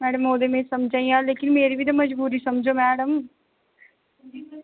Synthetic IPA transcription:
mɛːɖəmoːd̪emẽsɐmd͡ʒãːĩãːleːkɪnmeːɾibʱit̪̬ɐmɐd͡ʒbuːɾisɐmd͡ʒoːmɛːɖəm

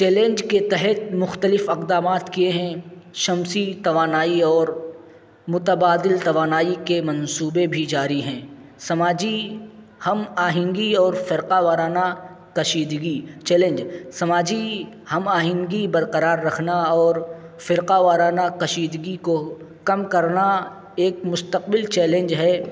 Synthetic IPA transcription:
t͡ʃɛːlẽːnd͡ʒket̪ɛɦɛt̪̚mʊxt̪əlɪfɪqd̪aːmaːt̪kieɦɛ̃ʃɐmsit̪ɐʋaːnaːiɔːɾ | mʊt̪əbaːd̪ɪlt̪ɐʋaːnaːikemɐ̃nsuːbebʱid͡ʒaːɾiɦɛ̃ːsɐmaːd͡ʒi | hɐmaːɦɪ̃ŋɡiɔːɾfɪɾqaʋaːɾaːna | kɐʃiːd̪ɡit͡ʃɛːlẽnd͡ʒsɐmaːd͡ʒi | hɐmaːɦɪ̃ŋɡibɐɾqəɾaːɾːɐkʰnaɔːɾfɪɾqaʋaːɾaːnakɐʃiːd̪ɡiko | kɐmkɐɾna | eːkmʊst̪əqbɪlt͡ʃɛːlẽnd͡ʒɦɛː

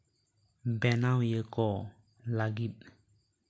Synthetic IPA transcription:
bɛnawjəkɔ | laɡip̚

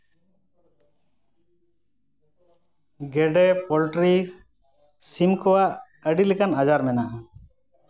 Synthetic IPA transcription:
ɡɛɖɛpɔlʈɾi | simkɔwaʔ | əɖilɛkanad͡ʒaɾmɛnaʔa

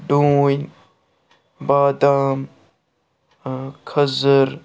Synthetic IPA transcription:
ɖũːjn | baːd̪aːm | kʰɐzəɾ

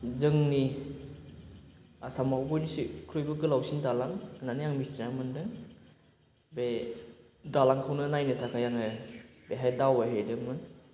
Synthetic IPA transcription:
zɯŋni | asamawbɔjnisikʰɾujbɯɡɯlawsindalaŋnanijaŋmistinamɯndɯŋ | be | dalaŋkʰawnɯnajnɯtʰakajaŋebeɦajdawajɦedɯŋmɯn

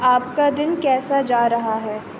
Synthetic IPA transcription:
aːpkad̪ɪnkɛːsad͡ʒaːɾɐɦaɦɛː

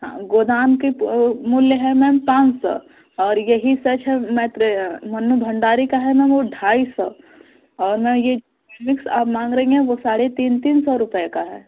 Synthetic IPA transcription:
ɦã̰ːɡoːd̪aːnkemʊljəɦɛmɛ̃ːmpãːt͡ʃsɔ̰ː | ɔːɾjɐɦisɐt͡ʃɦɛmɛ̃ːt̪ɾemɐnːubʱɐ̃ɳɖaːɾikaɦɛmɛ̃ʋoɖʱaːisɔː | ɔːɾmɛ̃jed͡ʒokeːmɪksa̰ːpmãːŋɡɾɐɦĩɦɛ̃ʋosaːɽet̪iːnt̪iːnsɔɾʊpəekaɦɛ̰ː

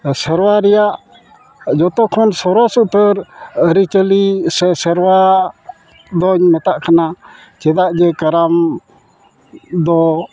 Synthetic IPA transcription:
səɾwaɾɛjaʔ | d͡ʒɔt̪ɔkʰɔnsɔɾɔsuʔt̪əɾɾit͡ʃəlisɛsəɾwa | d̪ɔɲmɛt̪aʔkana | t͡ʃɛd̪aʔd͡ʒɛkaɾam | d̪ɔ

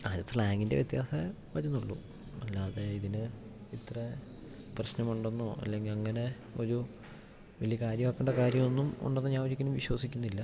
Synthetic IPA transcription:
aːd͡ʑɐt̪ːɭaːŋɡinde̞ʋjet̪jaːsɐ | ʋɐɾunːuɭːṵ | ɐlːaɐðeiðinɨit̪rɐ | prɐɕnɐmuɳɖonːoɐ̰lːe̞ŋɡilɐŋːɐne̞ | o̞ɾu | ʋɐlijɐkaːɾjɐmaːkːeɳɖɐkaːɾjɐmo̞nːumṵɳɖɐnːɐɲaːʋɐd͡ʑikʲːɐnumʋiɕwɐsikʲːunːilːɐ

